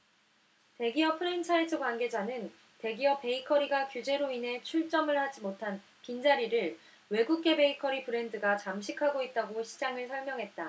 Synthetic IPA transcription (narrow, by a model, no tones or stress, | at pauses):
te̞ɡiʌpʰɯɾent͡ɕʰaɭtʰɯkwanɡe̞d͡ʑanɯn | te̞ɡiʌpe̞ikʰʌɾiɡakjud͡ʑe̞ɾoinɦe̞t͡ɕʰuɭt͡ɕ͈ʌmɯɭhad͡ʑimotʰan | kind͡ʑaɾiɾɯɭ | we̞ɡuk̚k͈e̞be̞ikʰʌɾipɯɾe̞ndɯɡat͡ɕamɕ̬ʰikʰaɡoit̚t͈aɡoɕʰi̥d͡ʑaŋɯɭsʰʌɭmjʌŋɦe̞t̚t͈a